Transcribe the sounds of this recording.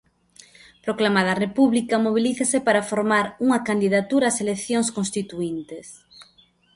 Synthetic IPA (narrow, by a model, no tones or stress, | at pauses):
pɾoklamað̞arepuβlikɐmoβ̞iliθasepaɾafoɾmaɾuŋɐkand̪iðat̪uɾaːselekθjõŋskõnst̪it̪uint̪es